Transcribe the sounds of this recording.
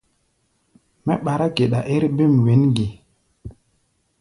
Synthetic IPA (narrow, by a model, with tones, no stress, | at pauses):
mɛ˦ɓa˨ɾa˦ke˨ɗa˨ʔe˦ɾbe˦˨mwe˨˦nɡi˨